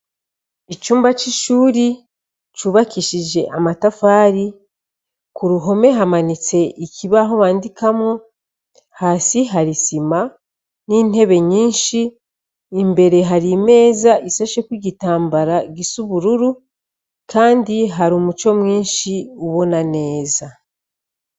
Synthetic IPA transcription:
it͡ʃuːmbat͡ʃiʃuːɾi | t͡ʃuβakiʃiʒe̞ʔamatafaːɾi | kuɾuɦo̞me̞ɦamanit͡se̞ʔiciβaɦoβaːndikamo | hasiɦaɾisima | niːne̞βe̞ɲiːnʃiː | mbe̞ɾe̞ɦaɾime̞ːzaʔisaʃe̞kwiɟitaːmbaɾaɡisuβuɾuɾu | kaːndiɦaɾumut͡ʃo̞mŋiːnʃiuβo̞nane̞ːza

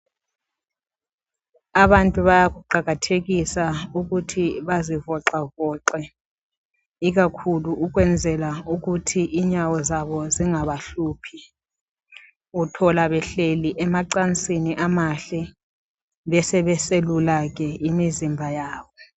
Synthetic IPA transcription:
aβantʼuβajakuǃaɣatʰek̬isauk̬utʰiβazivɔǁavɔǃɛ | ik̬akʰuluʔuk̬wɛnd͡zʱɛlaukutʰiʔiɲawɔzaβɔziŋaβaɬuːpʰi | utʰɔlaβɛɬeliʔɛmaǃant͡sʼiniʔamaɬɛ | βɛsɛβɛselulak̬ɛimizimbʱajaːɓɔ

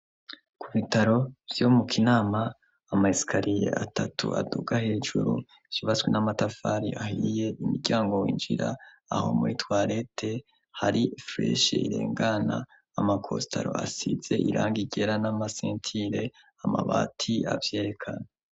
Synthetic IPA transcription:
kʰuβitaɾo̞vjo̞mukʰinaːmaː | maisi̥kʰaɾije̞̰ʔatatuʔa̰duɡahe̞ːʒuɾṵ | iv̥iβat͡swenamatafaɾiʔahije̞ʔimuɾɟaːŋɡo̞wiːnd͡ʒiɾa | aho̞̰muitwaːɾe̞tʰe̞ | haɾifɾeʃḛḭɾḛːŋɡanaː | makʰo̞stʰa̰ɾo̞̰asize̞ʔiɾʔaːŋɡiɟe̞ɾanamaseːntʰiɾe̞ | amaβa̰ːtʰia̰vje̞ːɾe̞kʰana

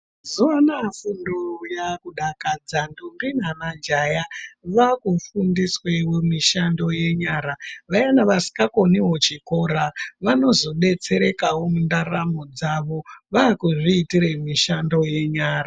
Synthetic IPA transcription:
zuwanafundojakuɗakad͡zandumbinanand͡ʒajaʋakufundiswewemiʃando̞je̞ɲaːɾaʋajanaʋasi̥kako̞niɦot͡ʃiko̞ɾaʋano̞zo̞ɓe̞t͡se̞ɾe̞kawomundaramod͡zaʋoʋakuʐiːtiremiʃando̞je̞ɲaːra

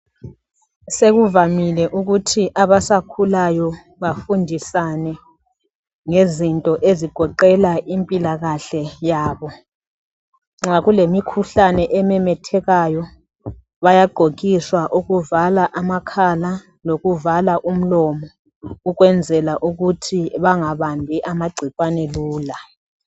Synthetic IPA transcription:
seɣuvamilɛʔuɣutʰiʔaβasakʰulajɔ | βafundʱisanɛ | ŋezintʼɔʔeziɡ̥ʱɔǃɛlaʔimpʼilaɣaɬɛjaːβɔ | ŋ͡ǁaɣulemikʰuɬanɛʔɛmɛmɛtʰɛɣajɔ | βajaɡ͡ǃʱok̬ʼiswaʔuɣuvalaʔamakʰala | loɣuvalaʔum̩lɔmɔ | uɣwɛnd͡zʱɛlaʔuɣutʰiβaŋaβambʱiʔamaɡ͡ǀʱikʼwaneluːla

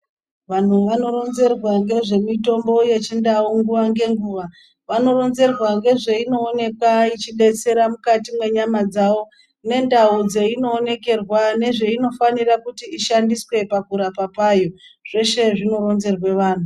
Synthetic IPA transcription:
ʋan̤uʋano̞ɾo̞nze̞rwaŋɡe̞ʐe̞mito̞mbo̞je̞t͡ʃindauŋɡuʋaŋɡe̞ŋɡuːʋa | ʋano̞ro̞nze̞rwaŋɡe̞ʐe̞ino̞ːne̞kwait͡ʃiɗe̞t͡se̞ɾamukatimwe̞ɲamad͡zawo̞ | ne̞ndaud͡ze̞ino̞ːne̞ke̞rwane̞ʐe̞ino̞fanirakutiːʃandiswe̞pakuɾapapaːjo̞ | ʐ̥e̞ʃe̞ʐino̞ɾo̞nze̞rwe̞ʋaːn̤u

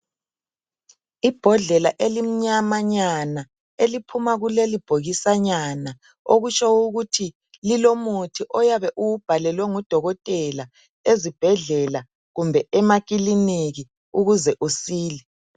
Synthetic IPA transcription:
ib̥ʱɔɮɛlaʔelim̩ɲamaɲana | elipʰumaɣulelib̥ʱoɣisaɲana | oɣut͡ʃʼʰauɣutʰi | lilomutʰiʔɔjaβɛʔuwub̥ʱalɛlwɛŋud̥ʱɔɣɔtʼɛla | ezib̥ʱɛɮɛla | ɣumbʱɛɛmakʼiliniɣi | uɣuzɛʔusiːlɛ

